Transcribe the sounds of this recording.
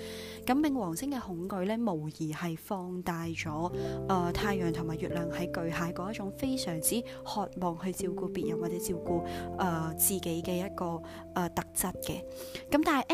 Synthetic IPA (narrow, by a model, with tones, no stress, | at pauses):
kɐ˨˥mːɪ˨˧ŋwɔː˨˩ŋsɪ˥ŋkɛː˧hʊ˨˥ŋkɵ˨˧ɥlɛː˥mo˨˩wjiː˨˩hɐ˨jfɔː˧ŋt̪aː˨˧jt͡ʃɔː˨˥ʔɐː˨˧t̪ʰaː˧jœː˨˩ŋt̪ʰʊ˨˩ŋmaː˨jyː˨t̚lœː˨˩ŋhɐ˨˥jkɵ˨˧ɥɦaː˨˥jkɔː˨˥jtt͡ʃʊ˨˥ŋfe˥jsœː˨˩ŋt͡siː˥ | hɔː˨˧t̚mɔː˨ŋhɵ˧ɥt͡siː˧wkuː˧piː˨˩t̚jɐ˨˩waː˨t̚t͡sɛː˨˥t͡siː˧wkuː˧ʔɐː˧˩t͡siː˨˩ke˨˥jkɛː˧jɐ˥t̚kɔː˧ | ʔɐː˧t̪ɐ˨k̚t͡sɐ˥t̚kɛ˧ | kɐ˨˥mt̪aː˨nhɐ˨jʔ